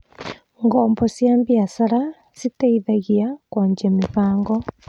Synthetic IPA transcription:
ŋɡɔːmbɔsjaːmbiasaɾa | sitaiðaɣiakwaːɲd͡ʒemiɸaːŋɡɔ

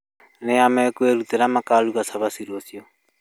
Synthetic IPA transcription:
neamɛkweɾuteɾamakaluɣasaβasiɾosiɔ

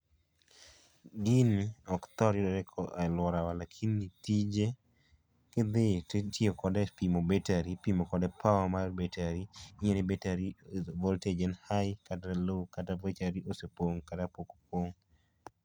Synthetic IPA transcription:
ɡiniɔkt̪ɔɾjɔdɛɾɛkʰɔalwɔɾawalakʰinːitid͡ʒe | kɪd̪etiokɔdɛpimobetaɾipimokɔdɛpʰawamarbetaɾiienɪbetaɾivɔlted͡ʒɛnhajkatalokatavet͡ʃaɾiosepoŋkatapoko̥p̚woŋ

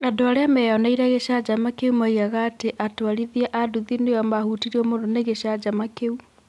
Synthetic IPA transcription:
andoaɾeamɛanaiɾaɣeʃad͡ʒamakeumaiɣaɣaːteʔatoaɾiðiɛʔaduðinejamahutiɾiɔmondɔneɣeʃad͡ʒamakeu

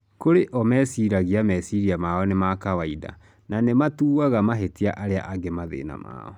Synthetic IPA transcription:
koɾeʔɔmɛsiɾaɣiamɛsiɾiamaɔnemakawaida̰ | nanematuːwaɣamaɦetiaʔaɾea̰ʔaɡemaðḛːna̰ma̰ːɔ

